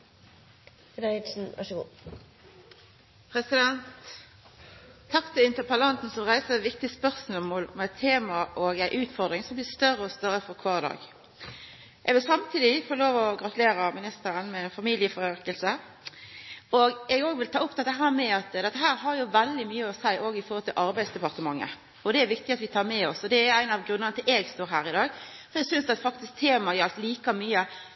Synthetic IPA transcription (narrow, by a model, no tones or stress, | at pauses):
d̪ɑɪsn̩ʋæ̰ʂəɡṵː | pʰɾɛsɪd̪ɛnt̪ | ɑkt̪ʰɛɪnt̪əpʰɑlɑnt̪n̩sɔʁæɪsəʋɪk̚t̪ɪspœʁsməmɔlɔ̰mæt̪ʰːeːmɑʔoːɡæɪʔʉːt̪fɔʁd̪ʁɪŋsɔmblɪːst̪œʁəɔst̪œʁəfɔkʰʋɑːd̪ɑ̰ːɡ | ʔɛɡʋɪlsɑmt̪ʰiːd̪ɪfɔloːʋɔɡɾʁɑt̪ʉleːɾɑmɪnɪst̪əɾənmɛɛnfɑmiːlɪəfɔɾøkəlsə | ɔɡɛɡoːɡʋɪlt̪ʰɑːʊpːt̪ɛt̪ːəɦæːɾmɛɑt̪d̪ɛt̪ːəɦæːɾɦɑɾjʊʋæld̪ɪmyːəɔsæɪʔoːɡɪfɔɾhɔlt̪ʰɪlʔɑɾbæɪsd̪ɛpɑʁt̪əmɑŋːə̰ | ɔd̪ɛæɾʋɪk̚t̪ɪɑt̪ʋɪt̪ʰɑːɾmɛɔsɔd̪ɛææɪnɑʋɡɾʉnːənət̪ʰɪlʔeːɡst̪oːɾɦæːɾɪd̪ɑːɡsɔmɛɡsʏnsɑt̪fɑk̚t̪ɪsk̚t̪ʰeːmɑjəɑlt̪liːkɑmyːə